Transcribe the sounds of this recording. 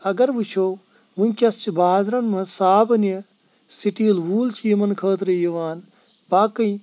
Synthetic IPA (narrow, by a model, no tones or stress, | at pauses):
ɐɡɐɾʋut͡ʃʰo | ʋunʲkʲɐst͡ʃʰibaːzɾɐnmɐsaːbɐnjɐ | siʈiːlʋuːlt͡ʃʰijimɐnkʰəːt̪ɾɐjɐʋaːn | baːkɐj